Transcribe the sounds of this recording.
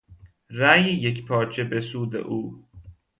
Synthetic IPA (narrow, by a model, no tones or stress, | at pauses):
ɾæːjejekpʰɒːɾt͡ʃʰebesuːd̪ḛʔuː